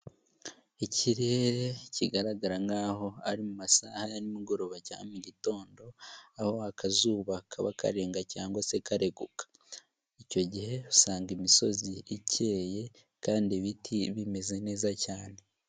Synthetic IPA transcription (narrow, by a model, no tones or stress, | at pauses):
icʰiɾe̞ɾe̞ciɡaɾaɡaɾaŋɡaːɦo̞aɾimumasaːhajaɾimiɡo̞ɾo̞ːβaca̰muɟito̞ːndo̞aho̞akazuːβakʰaβa̰ka̰ɾe̞ːŋɡacaːŋɡwase̞kaɾe̞ɡukḁ | ico̞ɟihe̞husaːŋɡimiso̞ziicʰe̞ːje̞ | kaːndiβitʰiβime̞ze̞ne̞ːzacaːne̞